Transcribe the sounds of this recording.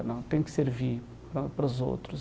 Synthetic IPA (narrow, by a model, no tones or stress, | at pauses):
nɐ̃w̃t̪ẽj̃kseɾvi | pɾɐpɐɾɐzo̰t̪ɾuz